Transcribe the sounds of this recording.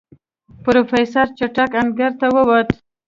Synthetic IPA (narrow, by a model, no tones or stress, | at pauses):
pɾofajsaɾt͡ʃaʈakanɡaɾt̪awəwat̪